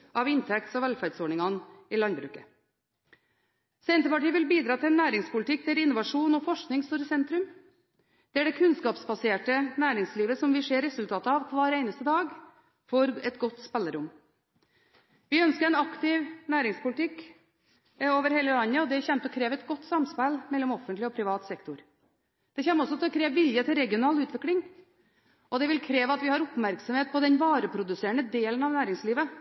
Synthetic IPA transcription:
ʔɑʋɪnt̪ʰɛk̚t̪sɔʋɛlfæɾɖsɔːɳɪŋɑnɪlɑnd̪bɾʉ̰ːkə | seɪənt̪əpɑʈiːʋɪlbiːd̪ɾɑːt̪ʰɪlnːæːɾɪŋspʊlɪt̪ʰɪk̚ːd̪ɛæɾɪnʊʋɑʂuːnɔfɔʂknɪŋst̪uːɾəsɛnt̪ɾʉm | d̪̥ɛæɖɛkʰʉnskɑːpsbɑseːʈənæːɾɪŋsliːʋəsɔmʋɪʂeːɾɛsʉlt̪ʰɑːt̪əɑʋkʰʋɑːɾeɪnəst̪əd̪ɑːɡ | fɔɾɛt̪ɡɔt̪ːspɛlːəɾʊm | ʋɪœnskəɾɛɪnɑkt̪ɪʋnæːɾɪŋspʊlɪt̪ʰɪkː | oːʋəɾheːləlɑɲːəɔd̪ɛçɛmt̪ɔkʰɾeːʋɛt̪ɡɔt̪ːsɑmspælmɛlːɔmɔfənt̪lɪɔpʰɾɪʋɑːt̪sɛkt̪ʊɾ | d̪̥ɛçɛmːɔsːɔt̪ʰɪlkʰɾeːʋʋɪljət̪ʰɪlɾɛɡɪʊnɑːlʉːt̪ʋɪklɪŋ | ʔɔd̪ɛʋɪlkʰɾeːʋɑt̪ʋɪhɑɾʊpmæɾksɔmheːt̪̚pʰɔd̪ɛnʋɑːɾəpʰɾʊd̪ʉseːɳəd̪eːlənɑʋnæːɾɪŋsliːʋə

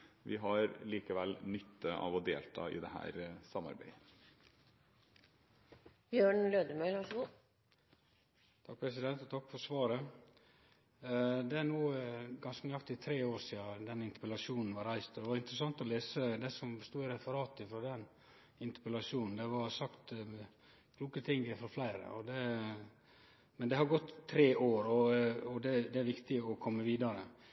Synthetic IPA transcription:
ʋɪɦɑɾliːkəʋɛlːnʏt̪ʰːəʔɑ̰ʋɔd̪eːlt̪ʰɑ̰ːʔɪ̰d̪ɛhæ̰ːɾsɑmɑ̰ɾbæɪə | bjøːɳløːd̪əmøːlʋɑʂɡu | t̪ʰɑk̚ːpʰɾɛsɪd̪ɛnt̪ɔt̪ʰɑkːfɔɾsʋɑːɾə | d̪ɛænuːɡɑnskənʏɑk̚t̪ɪt̪ʰɾeːoːɾsiːɑd̪ɛnɪnt̪ə̥pəlɑʂuːnn̩ʋɑɾæɪst̪ɔd̪ɛʋɑɾɪnt̪ɾəsɑŋt̪ɔleːsəd̪ɛsɔmst̪uːɪɾɛfəɾɑːt̪ɪfɾoːd̪ɛn | ɪnt̪ə̥pɛlɑʂuːnn̩d̪ɛʋɑɾsɑkt̪ | kʰluːkət̪ʰɪŋəfɔɾflæɪɾə̰ɔd̪ɛ | mɛnd̪ɛhɑɾɡɔt̪ʰːɾeːʔoːɾɔɔd̪ɛd̪ɛæɾʋɪkt̪ɪɔkʰɔmːəʋiːd̪ɑɾə̰

